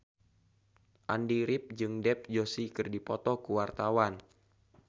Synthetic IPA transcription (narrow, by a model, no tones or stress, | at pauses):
ʔandiɾɪp̚d͡ʒɨŋdɛp̚d͡ʒosikɨrdipɔt̪ɔkuwart̪awan